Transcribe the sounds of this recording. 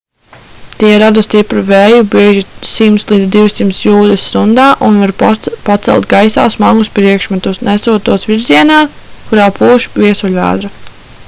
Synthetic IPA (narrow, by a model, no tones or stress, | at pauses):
t̪iɛɾad̪ust̪ipɾuvɛːjubiɛʒisimt̪slˠiːd̪zd̪iwsimt̪sjuːd̪ɛsst̪und̪aːʔunvaɾpat̪sɛ̰lˠt̪̚ɡajsa̰ːsmaɡuspɾiɛkʃmat̪usnʔɛsuɔt̪uɔsviɾziɛnaː | kuɾaːpʰuːʃviɛsuʎʲæ̰ːd̪ɾa